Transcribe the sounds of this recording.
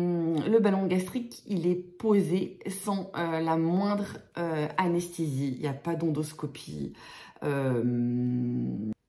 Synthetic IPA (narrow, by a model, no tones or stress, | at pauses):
ləbalɔ̃ɡast̪χikilɛpozesɑ̃ølamwɛ̃d̪ʁøanɛst̪eziːljapad̪ɔ̃d̪ɔskɔpʰḭ | øm